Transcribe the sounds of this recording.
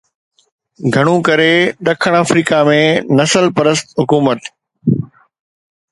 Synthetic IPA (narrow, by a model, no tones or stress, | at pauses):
ɡʱɐɽ̃ũkɐɾeɗɐkʰəɽ̃aːfɾiːkamẽnɐsəlpɐɾəst̪ɦʊkuːmət̪